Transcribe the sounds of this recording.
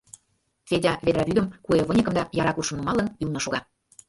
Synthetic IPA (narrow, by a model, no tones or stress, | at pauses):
t͡sedʲɑβed̪ɾɑβyd̪ə̆mkueβə̆nʲəkə̆md̪ɑjɑɾɑkuʃə̆mnumɑlənylnŏʃoɣɑ